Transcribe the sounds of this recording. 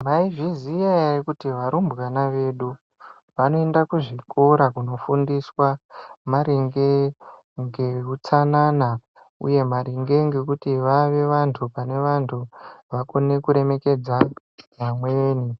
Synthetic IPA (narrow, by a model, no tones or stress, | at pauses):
maiʐizijaikutiʋaɾumbɣanaʋe̞ːɗu | ʋano̞e̞ndakuʐikʰo̞ɾakuno̞fundiswamaɾiŋɡe | ŋɡe̞kut͡sanana | ṵje̞maɾiŋɡe̞ŋɡe̞kutiʋaʋe̞ʋantʰupane̞ʋantʰuʋako̞ne̞kuɾe̞me̞ke̞d͡za | jamweːni